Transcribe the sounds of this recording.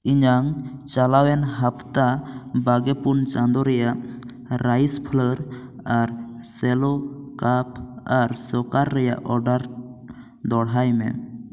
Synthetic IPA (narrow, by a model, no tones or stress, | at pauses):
iɲaŋt͡ʃalawɛnɦapʰt̪abaɡɛpunt͡ʃãnd̪ɔɾɛjaʔ | ɾajspʰləɾ | aɾsɛlɔkapʰaɾsɔkaɾːɛja̰ʔɔɾɖaɾ | d̪ɔɽɦajmɛ̰